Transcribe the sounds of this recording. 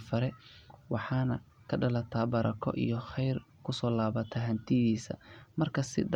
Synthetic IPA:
fɐɾɛwɑħɑːnɐ | kʰɐɖɐlɐt̪ʰaːbɐɾʔɐ̰kʰɔ̰ʔḭjɔχɛjr | kʰʊsɔːlaːβɐt̪ʰɐɦɐnt̪ʰɪðiːsɐ̰mɐrkʰɐsɪ̰d

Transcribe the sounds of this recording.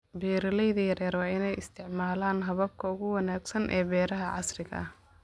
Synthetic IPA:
biːɾɐlɛjðɐjɐɾɛːɾwɑːɪnɛjɪst̪ʰɪʕmaːlaːnɦɐβɐb̚kʰɐʊɣʊwɑnaːɡsɐnʔɛːbɛːɾɐɦɐʕɑsrɪɣɐ̰ɐh

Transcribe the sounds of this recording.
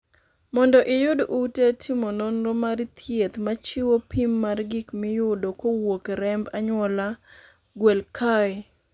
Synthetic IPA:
mɔndɔʔɪjʊdʔutetʰɪmononɾomaɾit̪ʰjet̪mat͡ʃiwopimːarɡikmɪjʊdokowokɾɛmbaɲwɔla | ɡwɛlkʰaɛ

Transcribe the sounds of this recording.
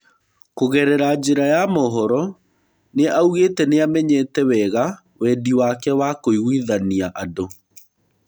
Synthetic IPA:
koɣɛɾɛɾad͡ʑeɾajamɔɦɔɾɔ | neauɣeːtɛneamɛɲɛtɛwɛɣa | wɛdiwakɛwakoiɣwiðaniaʔado

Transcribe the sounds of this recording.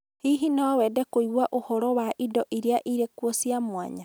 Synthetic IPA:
hiɦinaɔwɛdɛkoiɣwaʔohɔɾɔwaʔidɔʔiɾeaʔiɾekwɔsiamwa̰ɲa

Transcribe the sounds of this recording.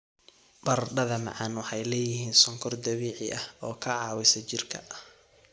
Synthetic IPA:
bɐrɖɐðɐmɑ̰ʕɑnwɑħɑjlɛːjɪɦiːnsɔŋkʰɔrd̪ɐβiːʕɪʔɐhɔːkʰɐʕɑːwɪsɐt͡ʃɪrkʰɐ̰

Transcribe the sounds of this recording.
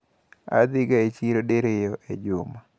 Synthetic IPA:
a̰d̪ɪɡaet͡ʃiɾodeɾejɔʔed͡ʒʊma

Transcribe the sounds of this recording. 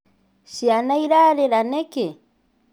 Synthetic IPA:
ʃianaiɾaɾeɾaneke

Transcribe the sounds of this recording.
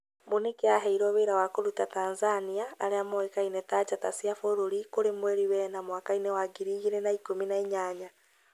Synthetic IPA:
monekeaɦɛiɾɔβeɾawakoɾutatanzaniaːɾeamoekainɛtat͡ʃatasiafoɾoɾikoɾemwɛɾiwɛnamwakainɛwaɡiɾiɣiɾɛnaikominaeɲaɲa

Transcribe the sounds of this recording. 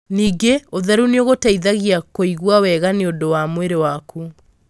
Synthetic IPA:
niːɡeoðɛɾuneoɣotaiðaɣiakoiɣwawɛɣaneondowamweɾewaku

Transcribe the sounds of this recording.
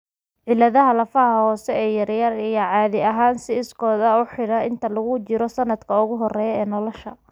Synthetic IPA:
ʕɪlːɐðɐɦɐlɐfɐɦɐhɔːsɛɛːjɐɾjɐrijɔʕɑːðɪɐɦaːnsɪːskʰɔːd̪ɐɔːħɪɽɐɪnt̪ʰɐlɐɣʊt͡ʃɪɾɔsɐnɐd̪kʰɐʊɣʊɦɔrɛːjɛːnɔlɔʃɐ

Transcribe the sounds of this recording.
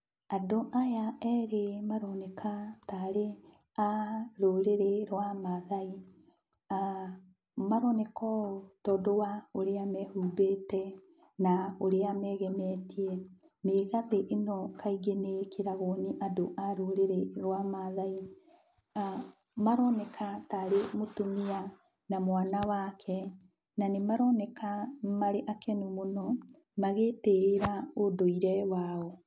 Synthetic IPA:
adoʔajaɛːɾemaɾɔnekʰataɾe | aɾoɾeɾeɾwamaðai | a | maɾɔnɛkɔtɔːdowaoɾeamɛhuːbetɛ | naoɾeamɛɣɛmɛtiɛ | meɣaðeʔenɔkʰaiɡenekeɾaɣoːniʔadoʔaɾoɾeɾeɾwamaðai | maɾɔnɛkʰataɾemotomea | namwaːnawaːkʰɛ | nanemaɾɔnɛkʰamaɾeʔakɛnumonɔ | maɣeteɾeɾaodoiɾɛwaɔ

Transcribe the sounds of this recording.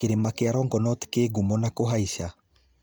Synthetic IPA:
eɾemakeaɾɔŋɡɔnɔtkeɡumɔnakoɦaiʃa

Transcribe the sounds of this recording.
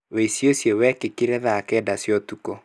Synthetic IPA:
weisjosjewɛkekiɾɛðakɛːdasjɔtukɔ

